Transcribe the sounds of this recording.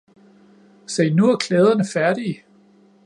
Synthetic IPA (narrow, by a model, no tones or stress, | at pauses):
sɛɪnuæɐkʰlɛːð̞ˠɐnəfæɐɾ̥i